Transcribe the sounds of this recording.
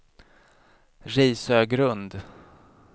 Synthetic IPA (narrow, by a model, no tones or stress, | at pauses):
ɾɛːsøːɡɾɵnd̪